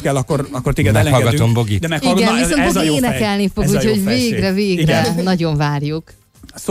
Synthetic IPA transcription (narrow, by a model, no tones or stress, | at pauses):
kɛlːɒkːoɾɒkːort̪iɡɛmɛkɛɦɒlɡɒt̪o̞mbo̞ɡitd̪ɛmɛkiɡɡɛnvisso̞noeːnɛkɛlnifo̞ɡuːcho̞ɟveːɡrɛveːɡrɛnɒɟo̞ɱvaːrjuk | s